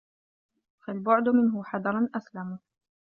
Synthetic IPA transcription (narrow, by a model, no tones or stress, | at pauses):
falbʊʕd̪mɪnɦʊħɑd̪ɑɾˤɑnʔaslam